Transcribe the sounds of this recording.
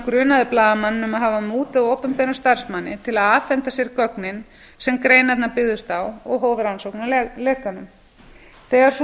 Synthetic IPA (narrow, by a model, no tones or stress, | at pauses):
kɾʏːnaðɪplaːðamanːɪnʏmaðɦaːvamuːt̪aðowpʏmpɛɾast̪aɾ̥smanːɪt̪ʰɪlaðaːfɛnt̪asjɛɾ̥kœknɪn | sɛmkɾeːjnat̪napɪðʏst̪awɔɣɦoːwvɪɾansowknalɛːkanʏm | θɛːɣaɾ̥θ